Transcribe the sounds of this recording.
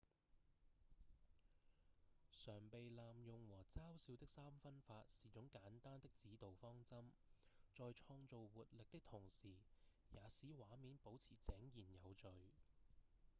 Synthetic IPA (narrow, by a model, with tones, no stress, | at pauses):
sœː˨˩ŋpe˨jlaː˨mjʊ˨ŋwɔː˨˩t͡saː˥wsiː˨˥wt̪ɪ˥k̚saː˥mfɐ˥nfaː˧t̚siː˨˩t͡sʊ˨˥ŋkaː˨˥nt̪aː˥nt̪ɪ˥k̚t͡siː˨˥t̪o˨wfɔː˥ŋt͡sɐ˥mt͡ʃɔː˨˧jt͡ʃʰɔː˧ŋt͡so˨wwuː˨t̚lɪ˨k̚t̪ɪ˥k̚t̪ʰʊ˨˩ŋsiː˨˩ | jaː˨˧siː˨˥waː˨˥miː˨˥npo˨˥wt͡sʰiː˨˩t͡sɛː˨˥ŋjiː˨˩njɐ˨˧wt͡ʃɵ˨ɥ